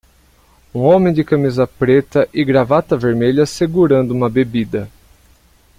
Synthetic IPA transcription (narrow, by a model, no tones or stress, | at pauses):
ũõmẽj̃d͡ʒ̪ɪkɐmizɐpɾet̪ɐʔɪɡɾavat̪ɐveɾmeʎɐseɡuɾɐ̃nd̪ʊũmɐbebid̪ɐ